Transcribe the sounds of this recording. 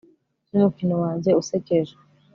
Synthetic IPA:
numukinowaːɲɟe̞useceʒe

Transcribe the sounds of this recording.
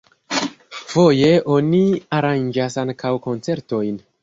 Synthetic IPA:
fo̞je̞ʔo̞niaɾand͡ʒasaŋkʰawko̞nt͡se̞ɾto̞jn

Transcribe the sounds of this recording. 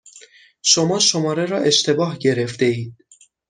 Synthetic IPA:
ʃomɒːʃomɒːɾeɾɒːʔe̞ʃt̪ʰe̞bɒːhɟe̞ɾe̞ft̪e̞iːd̪̥̚

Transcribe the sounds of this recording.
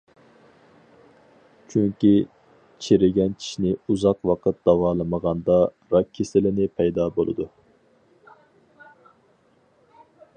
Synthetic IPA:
t͡ʃʰyŋkʲi | t͡ʃʰeɾɪɡʲɛnt͡ʃʲʰi̥ʃnɪuzɑqwɑqʰət̪̚d̪̥ɑwɑːlˠəməʁɑnd̪ɑ | ɾɑkʲʰːesɪlɪnɪpʰɛjd̪ɑːbo̰lˠɨ̰d̪u

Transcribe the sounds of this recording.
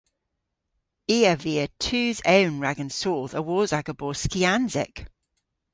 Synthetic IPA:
iːəviːətʰʉːzəʊ̃nɹaɡə̃nsoːðəwɔːzaɡəbɔːskianzɪ̰k

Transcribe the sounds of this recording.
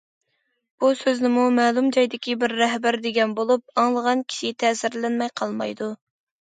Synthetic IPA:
b̥usøznɪmumɛːlumd͡ʒɑjd̪ɪkʲibɪɾːɛɦbæɾd̪ɪɡʲɛnbolˠup̚ɑŋlˠəʁɑnkʲʰi̥ʃɪt̪ʰɛːsɪɾlɛnmɛjqʰɑlˠmɑ̰jd̪u

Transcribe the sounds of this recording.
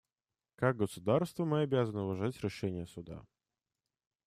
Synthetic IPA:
kaɡ̚ɡəsʊd̪arst̪vəmɨɐbʲazənəʊvɐʐatʲɾʲɪʂɛnʲɪjəsʊd̪a̰

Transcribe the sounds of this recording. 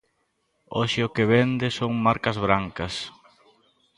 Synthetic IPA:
oʃɪʊkɪβend̪ɪsoŋmaɾkɐzβɾaŋkɐs

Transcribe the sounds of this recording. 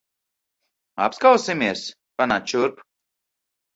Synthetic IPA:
a̰pskawsɪmiɛs | panat͡ʃuɾp

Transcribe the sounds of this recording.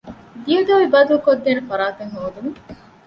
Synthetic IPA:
d̪ijɐɡ̪eʋibɐd̪ulukod̪ːeːnefɐɾaːt̪eŋɦoːd̪uŋ

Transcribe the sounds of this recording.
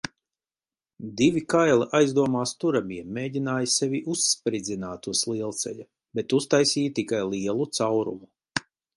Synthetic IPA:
d̪ivʲikajlˠiʔajzd̪uɔmaːst̪uɾamiɛmːeːɟʲinaːjsevʲiʔuspɾid̪zinaːt̪ːuslˠiɛlˠt̪sɛ̰ʎa | bet̪ust̪ajsiːjt̪ikajlˠiɛlˠut̪sawɾṵmu

